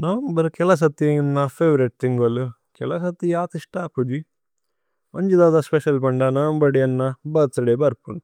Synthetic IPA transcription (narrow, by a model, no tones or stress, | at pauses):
nɐʋɐmbɐɾkɛlɐs̬ɐt̪ːiɐnːɐpʰeːʋɐɾeʈ̚t̪iŋɡɐlu | kɛlɐsɐt̪ːijaːt̪iʂʈaːpud͡ʒ̪i | mʔɐɲd͡ʒid̪aːd̪ɐspeʃɐlbɐɳɖɐnɐʋɐmbɐɽijɐnːɐbɐt̪ɐɽebɐɾpun